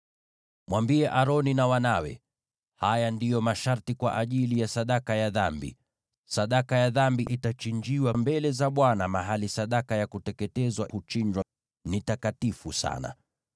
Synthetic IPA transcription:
mwambiɛʔaɾɔninawanawɛ̰ | hajandijɔmaʃaɾtikwa̰ʔaʄilijasaɗakajaðambḭ | saɗakajaðambiʔitat͡ʃind͡ʒiwambɛlɛzaɓwanamaɦalisaɗakajakutɛkɛtɛzwahut͡ʃiɲd͡ʒwa | nitakatifusa̰na̰

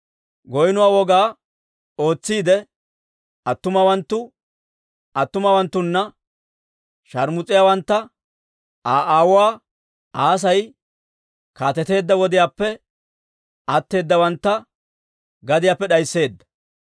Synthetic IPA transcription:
ɡɔjnʊwaːwɔɡaː | o̞ːt͡sːiːd̪ɛ | ɐt̪ːʊmɐwɐnt̪ːʊ | ɐt̪ːʊmɐwɐnt̪ːʊnːɐ | ʃɐɾmʊt͡sʼːɪjaːwɐnt̪ːɐ | aːʔaːwʊwaː | aːs̬ɐj | kaːt̪ɛt̪e̞ːd̪ːɐwɔd̪ɪjaːpːɛ | ɐt̪ːe̞ːd̪ːɐwɐnt̪ːɐ | ɡɐd̪ɪjaːpːɛɗɐjsːe̞ːd̪ːɐ̥

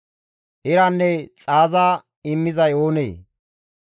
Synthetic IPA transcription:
hɪɾanːɛt͡sʼaːzaː | ɪmːɪzɐjo̞ːnḛː

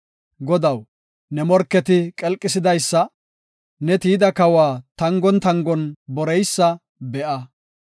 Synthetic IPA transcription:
ɡɔd̪ɐw | nɛmɔɾkːɛt̪ɪkʼɛlkʼːɪsɪd̪ɐjsːɐ | nɛt̪iːd̪ɐkɐwaːt̪ɐŋɡɔnt̪ɐŋɡɔnbɔɾɛjsːɐ | bɛʔɐ

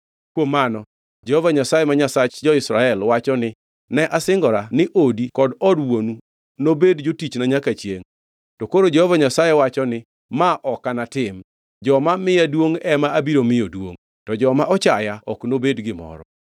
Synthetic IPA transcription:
kwomːanɔ | d͡ʒɛhɔvaɲasajɛmaɲasat͡ʃd͡ʒɔɪsɾaɛlwat͡ʃɔnɪ | nɛʔasɪŋɡɔɾanɪʔodikɔdɔdwonu | nobedd͡ʒotit͡ʃnaɲakat͡ʃjeŋ | tokoɾod͡ʒɛhɔvaɲasajɛwat͡ʃɔnɪ | maʔɔkanatɪm | d͡ʒɔmamɪjadwoŋɛmaabiɾomɪjodwo̰ŋ | tɔd͡ʒɔmaʔɔt͡ʃajaɔknobedɡɪmɔ̰ɾɔ̰

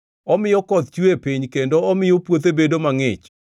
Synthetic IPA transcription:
ɔmɪjɔkɔt̪t͡ʃuepiɲkendoɔmɪjopwot̪ebedomaŋɪt͡ʃ

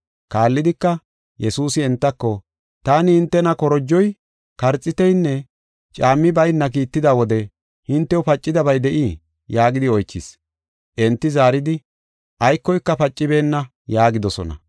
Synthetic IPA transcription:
kaːlːɪd̪ɪkːɐ | jɛsuːsɪɛnt̪ːɐkːɔ | t̪aːnɪhɪnt̪ːɛnɐkɔɾɔd͡ʒːɔj | kɐɾt͡sʼːɪt̪ɛjnːɛ | t͡ʃʼaːmːɪbɐjnːɐk̬iːt̪ːɪd̪awɔd̪ɛ | hɪnt̪ːɛʊpɐt͡ʃʼːɪd̪ɐbɐjd̪ɛʔi | jaːɡɪd̪ɪɔjt͡ʃːɪs | ʔɛnt̪ːɪzaːɾɪd̪ɪ | ʔɐjkːɔjkːɐpɐt͡ʃʼːɪbe̞ːnːɐ | jaːɡɪd̪ɔsɔ̰nɐ̰

